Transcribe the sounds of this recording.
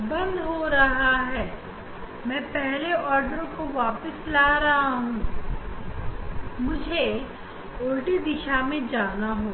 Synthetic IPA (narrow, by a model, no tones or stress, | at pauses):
bɐ̃nd̪ɦoɾɐɦaɦɛː | mɛ̃ːpɛɦleʔɔːɾɖəɾõkoʋaːpəslaːɾɐɦaɦũː | mʊd͡ʒʱe | oːɾʈid̪ɪʃamẽd͡ʒaːnaɦõː